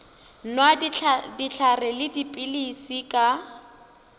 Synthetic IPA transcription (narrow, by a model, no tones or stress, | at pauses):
nwadit͡ɬʰarɛlɪdipʼɪlisikʼa